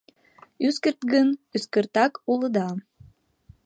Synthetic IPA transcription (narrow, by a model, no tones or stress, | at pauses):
yskərt̪ɡənyskərt̪ɑkuləd̪ɑ